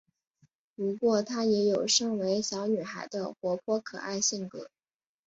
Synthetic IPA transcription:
pu˧˥kwɔ˥˩t̪ʰa˥jɛ˧˥jo˨˩ʊʂɤ˥˩ŋwe˧˥ɪɕjɑ˧˥ʊny˨˩xa˧˥ɪd̪ə̰˧xwɔ˧˥pʰwɔ˥kʰɤ̰˨˩a˥˧ɪɕi˥˩ŋkɤ̰˧˥˦

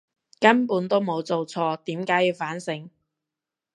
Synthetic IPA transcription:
kɐ˥npuː˨˥nt̪o˥wmo˨˧wt͡so˨wt͡sʰɔː˧t̪iː˨˥mkaː˨˥jiː˧wfaː˨˥nsɪ˨˥ŋ

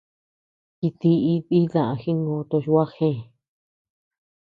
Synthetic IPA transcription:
ki˧t̪i˧i˧βi˦ðã˨ã˧xi˦ŋɡõ˧t̪o˧ʃwa˦xẽ˦˨

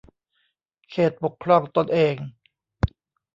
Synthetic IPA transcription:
kʰeː˨˩t̪̚bo˨˩kʰːɾɔ˧˩ŋt̪o˧nʔeː˧ŋ

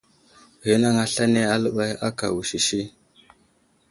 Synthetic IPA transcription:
hi˦na˦ŋa˦ɬa˦ne˦a˦lə˦ɓa˦ja˦ka̰˨wu˨ʃi˨ʃi˦

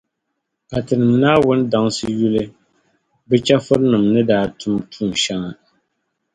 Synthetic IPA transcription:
ka˨tɨ˨nɨ˨m˨naː˦wʊ˦n̩˦da˨ŋsɨ˦ju˦lɨ˦ | bɛ˦t͡ʃa˦fʊ˦ɾnɨ˨mnɨ˦daː˦tʰʊ˦mtʰuː˦˨n˨ʃa˦ŋa˨

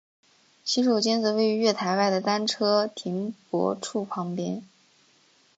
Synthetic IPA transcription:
t͡ɕʰi˥ʂo˨˩ʊt͡ɕjɛ˥nt͡s̩˧˥we˥˩ɪy˧˥ɥɛ˥˩t̪ʰa˧˥ɪwa˥˩ɪd̪ə˩t̪a˥nʈ͡ʂʰɤ˥t̪ʰi˧˥ŋpwɔ̰˧˥ʈ͡ʂʰu˥˩pʰɑ˧˥ŋpjɛ˥n

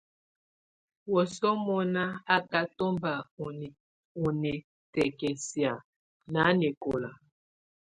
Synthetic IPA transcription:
wɔ˨sɔ˦mɔ˦na˦a˦ka˦to˦mba˨ | o˨nɛ˨ | tɛ˨kɛ˨si˨a˨ | na˨˦nɛ˨ko˨la˨

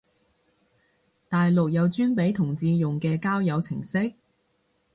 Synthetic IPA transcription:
t̪aː˨jlʊ˨k̚jɐ˨˧wt͡ʃyː˥npe˨˥jt̪ʰʊ˨˩ŋt͡siː˧jʊ˨ŋkɛː˧kaː˥wjɐ˨˧wt͡sʰɪ˨˩ŋsɪ˥k̚

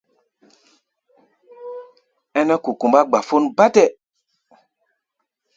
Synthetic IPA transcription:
ɛ˦nɛ˦ku˨ku˨mba˦ɡ͡ba˨fo˦nba˦tɛ˦

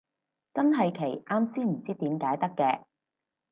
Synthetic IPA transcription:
t͡sɐ˥nɦɐ˨jkʰe˨˩jʔaː˧˥msiː˥m̩˨˩t͡siː˥t̪iː˨˥mkaː˨˥jt̪ɐ˥kːɛː˧

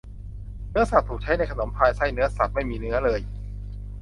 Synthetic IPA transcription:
nɯ˦˥ɐsa˨˩p̚t̪ʰuː˨˩k̚t͡ɕʰa˦˥jna˧jkʰa˧no˩˦mpʰaː˧jsa˥˩jnɯ˦˥ɐsa˨˩p̚ma˥˩jmiː˧nɯ˦˥ɐlɤː˧j

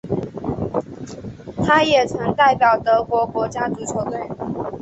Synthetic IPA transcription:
t̪ʰa˥jɛ˨˩t͡sʰɤ˧˦ŋt̪a˥˩ɪpjɑ˨˩ʊt̪ɤ˧˦kwɔ˧˥kwɔ˧˥t͡ɕja˦˥t͡su˧˥t͡sʰɔ˨˩t̪we˥˩ɪ

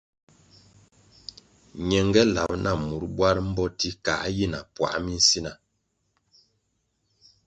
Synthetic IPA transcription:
ɲɛ˨ŋɡɛ˦la˨pnʔa˦˨mu˨˦ɾbwa˦ɾm̩˦bɔ˦ti˦ka̰˨˦ji˦na˨pwa̰˨ʔmi˦n̩˦si˦na˨

